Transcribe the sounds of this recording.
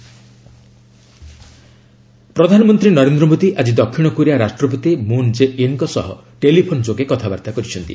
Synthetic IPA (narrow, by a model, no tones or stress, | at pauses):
pɾɔd̪ʱanɔmɔnt̪ɾinɔɾend̪ɾɔmod̪iʔad͡ʒid̪ɔkʰːiɽ̃ɔkuɾiaɾasʈɾɔpɔt̪imund͡ʒeʔinkɔsɔ̰ɦɔ̰ | ʈelipʰond͡ʒoɡekɔt̪ʰaba̰ɾt̪akɔɾit͡ʃʰɔnt̪ḭ